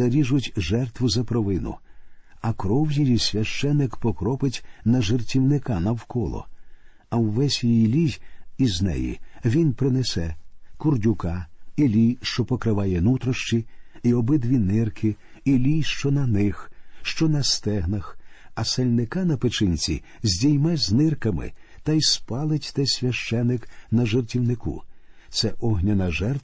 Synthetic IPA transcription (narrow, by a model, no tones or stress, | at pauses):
ɐɾʲiʒʊtʲʒɛrt̪ʋʊzɐpɾɔʋɪnʊ̰ | ɐkɾɔwjijisʲʋʲɐʃt͡ʃɛnːɪkpɔkɾɔpɪtʲnɐʒɪrtʲiwnɪkanɐwkɔlˠɔ̰ | ɐwːɛsʲjijilʲijiznɛ̰jḭʋʲinpɾɪnɛsɛkʊrdʲʊkailʲijʃt͡ʃɔpɔkɾɪʋajɛnut̪ɾɔʃt͡ʃiiɔbɪd̪ʋʲinɪrkʰɪilʲijʃt͡ʃɔnɐnɪxʃt͡ʃɔnɐst̪ɛɦnɐxɐselʲnɪkɑnɐpɪt͡ʃɪnʲt͡sʲḭ | zʲdʲijmɛzʲnɪrkɐmɪ̰t̪ɐjspɑlˠɪtʲt̪ɛsʲʋʲɐʃt͡ʃɛnɪknɐʒertʲiwnɪkṵt̪sɛʔɔɦnʲɐnɐʒɛrt̪